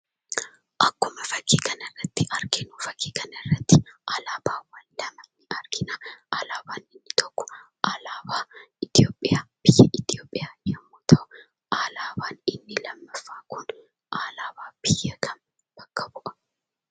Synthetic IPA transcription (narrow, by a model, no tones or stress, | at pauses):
ʔɐkːʊmɐfɐkʰːiːkɐnɐrːɐt̪ːɪʔɐɾkɪnuːfɐkʰːiːkɐnɐrːɐt̪ːɪʔaːlaːbaːwɐllɐmɐnːɪʔɐɾkɪnaʔaːlaːbaːnɪnːɪt̪ʰɔkːɔ̥ | ʔalaːbaːɪt̪ɪjoːpʼːɪjaːb̥ɪjːɐʔɪt̪ɪjoːpʼːɪjaːnjɛmːuːt̪ɐʔʊ | ʔaːlaːbaːnɪnːɪlɐmːɐfːaːkʊn | ʔaːlaːbaːb̥ɪjːɐkʰɐn | b̥ɐkːɐbʊʔɐ̥